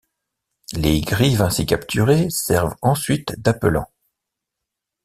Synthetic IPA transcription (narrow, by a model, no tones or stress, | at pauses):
leɡʁivɛ̃sikʲapt̪ʰyʁesɛʁvɑ̃sɥit̪d̪apəlɑ̰̃